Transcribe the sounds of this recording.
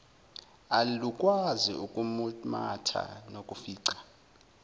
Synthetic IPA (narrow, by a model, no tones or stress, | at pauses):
alukʼwazḭukʼumumatʰa̰nokʼufiːǀḁ